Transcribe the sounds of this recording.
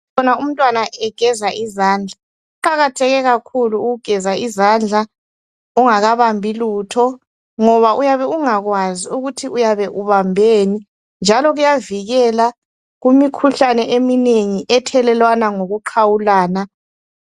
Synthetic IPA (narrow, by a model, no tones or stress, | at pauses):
ɔnaum̩tʼwanaʔɛɡ̥ʱɛzaʔizaːnd͡ɮʱa | uǃaɣatʰɛɣɛɣakʰuluːɣuɡ̥ʱɛzaizand͡ɮʱa | uŋaɣaβambʱiluːtʰɔ | ŋɔβaʔujaβɛuŋaɣwaziuɣutʰiujaβɛʔuβambʱeːni | nd͡ʒʱalɔɣujaviɣɛla | ɣumikʰuɬanɛʔemineŋiʔɛtʰɛlɛlwanaŋoɣuǃʰawulaːna